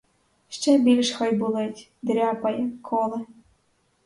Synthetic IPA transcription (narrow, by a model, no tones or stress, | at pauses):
ʃt͡ɕɛbʲilʲʃxɔjbulˠetʲd̪ɾʲɑpɐjɤkʰolˠɘ̆